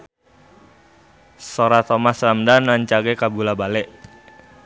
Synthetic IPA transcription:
soɾat̪ɔmasramdanaɲt͡ʃaɡekabulabalɛʔ

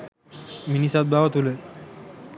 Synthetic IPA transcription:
minisat̪̚baɦɔt̪ule

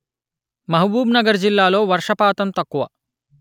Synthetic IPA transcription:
mɐɦɐbuːbnɐɡɐɾd͡ʒilːaːloːʋɐɾʂɐpaːt̪ɐmt̪ɐkːuʋɐ

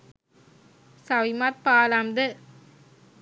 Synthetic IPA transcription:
sɐʋimaɾ̚paːlamd̪ɯ

